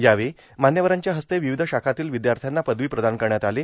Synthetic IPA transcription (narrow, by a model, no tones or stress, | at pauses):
jaʋe | manjəʋəɾaɲt͡ɕjaɦəst̪eʋiʋid̪ʱəɕakʰat̪iːlʋid̪jaɾt̪ʰjanːapəd̪ʋiːpɾəd̪ankəɾɳjat̪ale